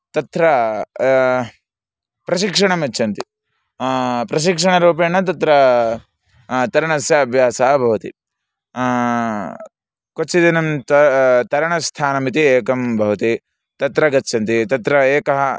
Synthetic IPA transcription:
t̪ɐt̪ɾɐ | pɾɐʃikʂɐɳɐmɐt͡ʃːt͡ʃʰɐnt̪i | pɾɐʃ̬ikʂɐɳɐɾuːpeːɳɐt̪̬ɐt̪ɾɐ | t̪ɐɾɐɳɐsjɐːbʱjaːsaɦɐbʱɐʋɐt̪ḭ | kot͡ʃːid̪inɐmt̪ɐt̪ɐɾɐɳɐst̪ʰaːnɐmit̪ieːkɐmbʱɐʋɐt̪i | t̪ɐt̪ɾɐɡɐt͡ʃːt͡ʃʰːɐnt̪it̪ɐt̪ɾɐeːkɐɦɐ

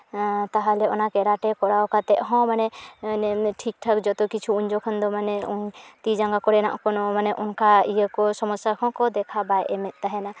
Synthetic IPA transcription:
t̪aɦalɛɔnakɛɽaʈɛkɔɽawkat̪ɛʔɦɔ̃manɛnɛʈʰik̚ʈʰakd͡ʒɔt̪ɔkit͡ʃʰuuɲd͡ʒɔkʰɔnd̪ɔmanɛut̪id͡ʒaŋɡakɔɽɛna̰ʔkɔnɔmanɛʔunkʰaijəkɔsɔmɔsakʰɔ̃kɔd̪ɛkʰabajʔɛmɛt̪̚ˀt̪aɦɛna

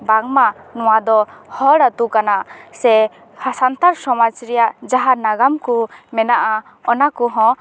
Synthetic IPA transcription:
baŋmanɔwad̪ɔhɔɽat̪ukanaʔsɛ | hasant̪aɾsɔmad͡ʒɾɛjaʔd͡ʒaɦaɾnaɡamkumɛnaʔa | ɔnakuɦɔ̃

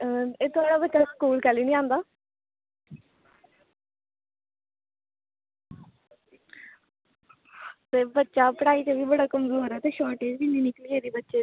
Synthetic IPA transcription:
eːt̪ʊaːɽaːbətːʃaːskuːlkɛːliːnĩːãːnd̪aː | t̪eːbətːʃaːpəɽaːiːt͡ʃeʋiːbəɽaːkəmzuːɦoːɾaːt̪eːʃɔːʈeːd͡ʒbiːnĩːnɪkliːeːɾiːbətːʃeː

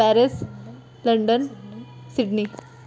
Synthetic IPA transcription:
æɾes | lɐɳɖən | siɖni

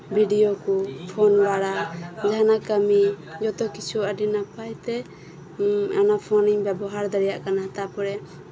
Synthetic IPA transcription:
bʱiɖijɔkupʰɔnwaɾad͡ʒanakamid͡ʒɔt̪ɔkit͡ʃʰuaɖinapajt̪ɛ | anapʰɔniŋbɛbɔɦaɾd̪aɾijaʔkanat̪apɔɾɛ

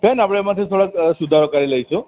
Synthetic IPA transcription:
penapɽ̃emat̪ʰet̪ʰoɽaksud̪ʱaɾɔkaɾilajsũ

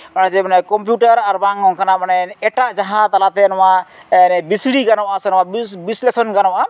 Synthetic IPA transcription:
banazɛbanakɔmp̬juʈaɾaɾbaŋɔŋkʰanamanaɛʈaʔd͡ʒaɦãt̪alat̪ɛnɔwaɛnɛbisɽiɡanɔwʔasɛnɔwabislesɔnɡanɔwʔa

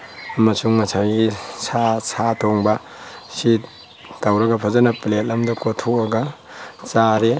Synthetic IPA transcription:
ɐmɐsuŋmɐsʰaɡisʰasʰatʰoŋbɐ | si | tɐwɾɐɡɐpʰɐzɐnɐplet̚lɐmdɐkotʰoɐɡɐ | t͡ʃaɾe

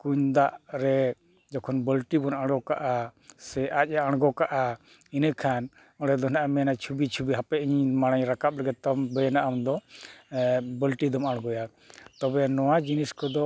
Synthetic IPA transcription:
kuɲd̪aʔɾɛ | d͡ʒɔkʰɔnbəlʈibɔnaɽɡɔkaʔasɛʔac̚ˀaaɽɡɔkaʔa | inəkʰan | ɔɽɖɛd̪ɔnaʔamɛnat͡ʃʰubit͡ʃʰubiɦapɛiɲmaɽ̃aɲɾakap̚ləɡɛd̪̚t̪ɔmbəjɛnaʔamd̪ɔ | bəlʈid̪ɔmaɽ̃ɡɔja | t̪ɔbɛnɔwad͡ʒiniskɔd̪ɔ

